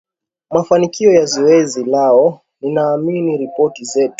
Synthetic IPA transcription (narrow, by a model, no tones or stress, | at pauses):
mafanikiɔjazɔɛzilaɔ | ninaːminiɾipɔtizɛtu̥